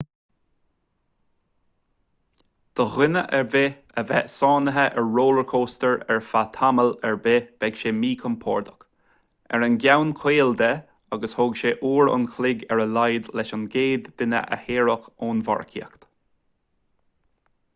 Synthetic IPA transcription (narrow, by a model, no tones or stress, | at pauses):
d̪̥əɣɪnəʔɛɹve | əvɛsɑːnəɦəʔɛɹːoːləɹkʰoːst̪əɹɛɹfat̪ʰaməlɛɹbev̥ɛɡʃeːmiːkʰənpʰɔːɹd̪ə̥k | ɛ̰ɹənɡjawnkʰweːld̪ɛ | aɡəshoɡʃeʔuːɹʊ̰nkʰlɪɡɛɹəlajd̪lɛʃʊnɡeːd̪ːɪnə̰ʔə̰heːɹəxoːnva̰ɹkʰḭəkt̪